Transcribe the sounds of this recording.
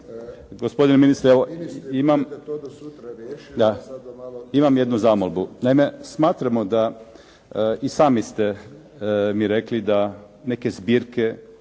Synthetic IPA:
ɡospo̞d̪ineminist̪ɾeʋoimam | d̪a | imamje̞d̪nuzaːmolˠbunaime̞smaːt̪ɾamo̞d̪a | isaːmist̪e̞ | miɾeklid̪a | ne̞ke̞zbiːɾke̞

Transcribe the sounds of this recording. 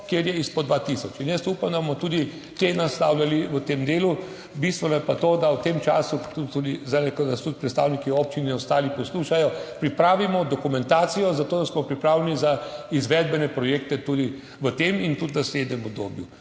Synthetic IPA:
kjeɾjɛispɔd̪ʋat̪isɔt͡ʃinjəst̪uːpamd̪abomɔt̪ud̪i | t̪enast̪awlʲjaliʋət̪emd̪eːlu | bist̪ʋɛnɔjɛpat̪oːd̪awt̪emt͡ʃa̰ːsut̪ut̪ːud̪izanɛkɔd̪ast̪ut̪̚pɾɛt̪st̪aːwnikioːp̚t͡ʃinɛɔst̪aːlipɔsluːʃajɔpɾipɾaːʋimɔd̪ɔkumɛ̃nt̪aːsijɔzat̪oːd̪asmɔpɾipɾaːwlʲjɛnizaizʋɛːd̪bɛnɛpɾɔjeːk̚t̪ɛt̪uːd̪i | ʋət̪emint̪ut̪nasleːd̪nɛmɔbd̪o̰ːbju

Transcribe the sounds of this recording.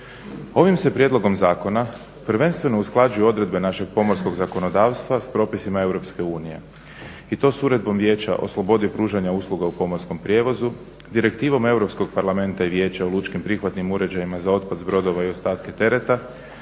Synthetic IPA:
o̞ʋimse̞pɾje̞d̪lo̞ɡo̞mzaːko̞na | pɾ̩ʋe̞nst̪ʋe̞no̞usklˠad͡ʒujeo̞d̪ɾe̞d̪be̞naʃe̞ɡ̚po̞mo̞ɾsko̞ɡzako̞no̞d̪aːʋst̪ʋaspɾo̞ːpisimae̞wɾo̞pske̞uːnije̞̰ | it̪o̞ːsuɾe̞d̪̚bo̞mʋje̞ːt͡ɕa̰ʔo̞̰slˠo̞bo̞d̪ipɾuːʒaɲauslˠuɡaupo̞mo̞ɾsko̞mpɾje̞ːʋo̞zu | d̪iɾe̞kt̪iːʋo̞me̞wɾo̞psko̞ɡpaɾlame̞nt̪aiʋje̞ːt͡ɕaolˠut͡ʃkimpɾixʋat̪nimuɾe̞d͡ʑajimazao̞t̪̚pad̪zbɾo̞d̪o̞ʋaio̞st̪aːt̪ke̞t̪e̞ɾe̞t̪a

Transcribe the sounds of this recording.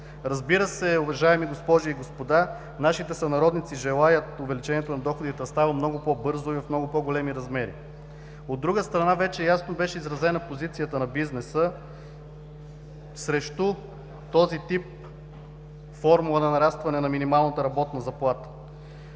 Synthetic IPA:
ɾɐzbiɾəsɛʊvɐʒaɛmiɡospɔʒiiɡospod̪a | naʃit̪ɛsɐnɐɾɔd̪nit̪siʒɛlˠajət̪ʊvɛlit͡ʃɛniɛt̪onɐd̪ɔxod̪it̪ɛst̪avəmnɔɡʊpɔbɤɾzʊivɐfmnɔɡʊpɔɡolɛmiɾɐzmɛɾḭ | od̪ːɾuɡəst̪ɾɐnavɛt͡ʃɛjasnobɛʃɛizɾɐzɛnɐpozit̪sijət̪ənɐbiznɛsə | sɾɛʃt̪u | t̪ɔzit̪ip̚ | fɔɾmulˠənɐnɐɾast̪vɐnɛnɐminimalˠnət̪əɾɐbɔt̪nɐzɐplˠat̪ə̥

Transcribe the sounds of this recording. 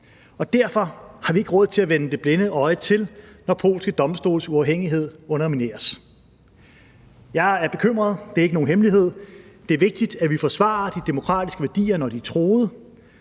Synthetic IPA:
ɒ̽d̥æɐ̰fɒ̽hɑ̈ʋie̝ɡ̥əʁɔ̽ð̰ˠt͡sʰe̝læʋenəd̥e̝b̥lenəɒ̽ɪt͡sʰe̝lnɒpʰo̝̰ːlsɡ̥əd̥ɒ̽msd̥o̝̰ːlsuɑ̈ʊɦeŋ̰iɦe̝ð̞̰ˠɔ̽nɐmine̝̰ːɐs | jɑ̈ɪæɐb̥e̝kʰøm̰ʁɐð̞ˠd̥e̝ɐeɡ̥no̝ːn̩ɦemliɦe̝ð̞̰ˠd̥e̝æɐʋe̝ɡ̥̚d̥id̥æʋifɒ̽sʋɑ̰̈ːɐd̥id̥e̝mo̝kʰʁɑ̰̈ːd̥isɡ̥əʋæɐd̥ḭːɐnɒd̥it͡sʰʁo̝ːð̞̩ˠə

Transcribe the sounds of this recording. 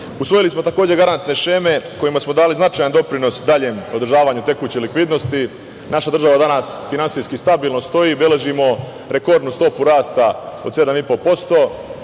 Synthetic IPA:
usʋo̞jilismo̞t̪ako̞ːd͡ʑe̞ɡaɾant̪ne̞ʃe̞ːme̞ko̞jimasmod̪aːliznat͡ʃajand̪o̞pɾino̞sd̪aʎeːmo̞d̪r̩ʒaːʋaːɲut̪e̞kuːt͡ɕelikʋid̪no̞st̪i | naʃad̪r̩ʒaʋad̪anaːsfinansiskist̪abiːlˠno̞st̪o̞jiːbe̞le̞ʒimo̞ | ɾe̞ko̞ɾd̪nust̪o̞puɾaːst̪ao̞d̪se̞d̪amipo̞po̞st̪o̞ː

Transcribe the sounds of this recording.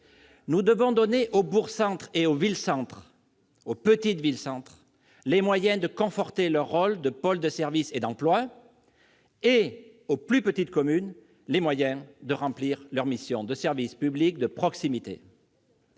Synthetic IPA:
nud̪əvɔ̃d̪ɔneʔobuʁsɑ̃t̪χeovilsɑ̃t̪χ | opət̪it̪vilsɑ̃t̪χ | lemwajɛ̃d̪əkɔ̃fɔʁt̪elœʁːɔld̪əpɔld̪əsɛʁvised̪ɑ̃plwa | e | oplypət̪it̪kɔmyn | lemwajɛ̃d̪əʁɑ̃pliʁlœʁmisjɔ̃d̪əsɛʁvispyblik̚d̪əpχɔksimit̪ḛ

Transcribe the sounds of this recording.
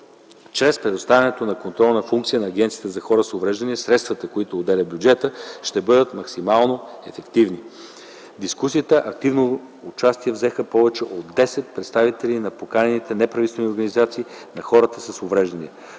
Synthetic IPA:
t͡ʃɾɛspɾɛd̪ost̪avʲənɛt̪onɐkont̪ɾɔlˠnɐfuŋkt̪sijənɐːɡʲɛnt̪siət̪əzɐxɔɾəsovɾɛʒd̪ɐniɛsɾɛt̪st̪vɐt̪əkoit̪oːd̪ɛlʲəbʲjud͡ʒɛt̪əʃt̪ɛbɤd̪ət̪mɐksimalˠnoɛfɛkt̪ivni | d̪iskusiət̪əʔɐk̚t̪ivnoː | t͡ʃast̪iɛvzɛxəpɔvɛt͡ʃɛʔod̪d̪ːɛsɛt̪̚pɾɛt̪st̪avit̪ɛlinɐpokanʲɛnit̪ɛnɛpɾɐvisvɛmioɾɡɐnizat̪siː | nɐxɔɾət̪əsɐsovɾɛʒd̪ɐniɛ

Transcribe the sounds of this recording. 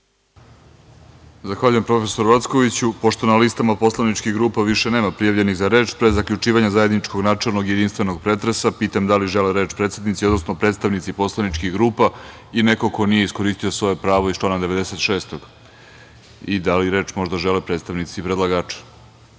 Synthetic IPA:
zaxʋaːʎuje̞mpɾo̞fesoɾuʋat̪skoʋit͡ɕupo̞ʃt̪o̞nalist̪amapo̞slˠanit͡ʃkiɣɡɾuːpaʋiʃene̞ːmapɾijaʋʎe̞niɣzaɾe̞ːt͡ʃpɾezːakʎut͡ʃiːʋaɲazaje̞d̪nit͡ʃko̞ɡnaːt͡ʃelˠno̞ɡjed̪inst̪ʋeno̞ɡ̚pɾe̞t̪ɾesapiːt̪amd̪aliʒeleɾeːt͡ʃpɾet̪sed̪nit̪siod̪nosnopɾet̪st̪aʋnit̪sipo̞slˠanit͡ʃkiɣɡɾuːpa | ine̞ko̞ko̞nije̞isko̞ɾiːst̪io̞sʋo̞je̞pɾaːʋo̞ist͡ʃlˠaːnad̪eʋe̞d̪ese̞t̪ʃe̞ːst̪oɡ̥ | id̪aliɾe̞ːt͡ʃmo̞ʐd̪aʒelepɾet̪st̪aʋnit̪sipɾed̪lˠaɡaːt͡ʃḁ

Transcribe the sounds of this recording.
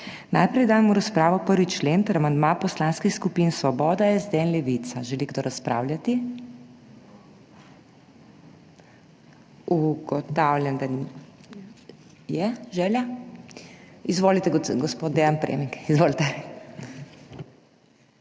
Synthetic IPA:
najpɾɛjd̪aːjmuɾaspɾaːʋɔpəɾʋit͡ʃleːnt̪əɾamand̪mapɔslaːnskixskupinsʋɔbɔːd̪aɛzd̪ɛːnlɛʋit̪saʒɛliɡd̪oɾaspɾa̰ːwlʲjat̪i | uɡɔt̪awljɛnd̪a | jɛʒɛlja | izʋolit̪ɛɡɔspoːd̪̚d̪ejanpɾḛːmiŋkizʋoːlit̪ɛ

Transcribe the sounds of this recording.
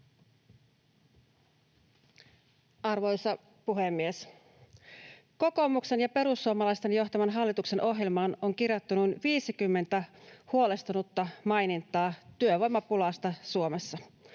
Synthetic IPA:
ʔɑrʋo̞jsɑ | puɦemːies | ko̞ko̞mukse̞njɑpe̞ɾusːuomɑlɑjst̪e̞njo̞xt̪ɑmɑnɦɑlːit̪ukse̞nʔo̞ɦjelmɑːno̞ŋk̟irjot̪ːunujnʋiːsikymːe̞nt̪æhuo̞le̞st̪unut̪ːɑmɑjnint̪ːˑɑːt̪yøʋo̞jmːɑpulɑːst̪ɑsuomesːɑ

